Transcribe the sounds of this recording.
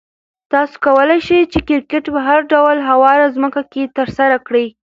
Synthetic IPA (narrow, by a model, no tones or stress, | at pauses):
t̪ɑso̥kawəlajʃəjt͡ʃekɪɾkɪʈpaɦaɾɖawəlɦawɑɾazməkaket̪əɾsaɾakɽi